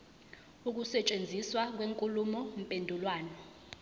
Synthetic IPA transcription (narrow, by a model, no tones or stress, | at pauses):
uk̬usɛt͡ʃʼend͡zʱiswak̬weŋkʼulumɔm̩pʼendʱulwaːnɔ